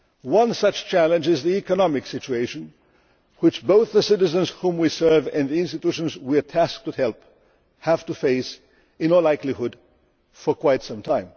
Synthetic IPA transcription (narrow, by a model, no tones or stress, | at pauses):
wʌ̃nsʌt͡ʃt͡ʃʰælˠɨ̃nd͡ʒɨzðiikənɑmɨksɪt͡ʃueɪʃɨ̃n | wɨt͡ʃboʊθðəsɪɾɨzɨ̃nz̥hũmwisɜ˞vɨ̃nðiɪ̃nstɨtuʃɨ̃nzwiɨtʰæsk̚tɨdhɛlˠp | hæv̥tɨfeɪs | ɨ̃nəlaɪklihʊd | fə˞kʰw̥aɪtsʌ̃mtʰãɪ̃m